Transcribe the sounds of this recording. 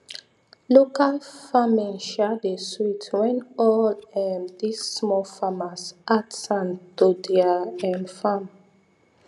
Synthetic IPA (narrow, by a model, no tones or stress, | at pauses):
lokalfãmɛ̃nʃadeswitwɛ̃nɔlɛmd̪ismɔfamasʔatsãntodiaɛ̃nfãm